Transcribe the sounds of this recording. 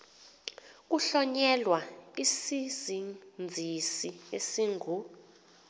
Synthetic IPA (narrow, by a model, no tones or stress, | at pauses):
k̬uɬɔɲɛlwaisizind͡zʱisiesiŋʱu